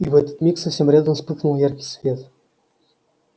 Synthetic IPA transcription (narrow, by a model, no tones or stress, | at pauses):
ivɛt̪ə̥t̪mʲiksɐfsʲɛmɾʲɛd̪ənspɨxnəlˠjaɾkʲisvʲet̪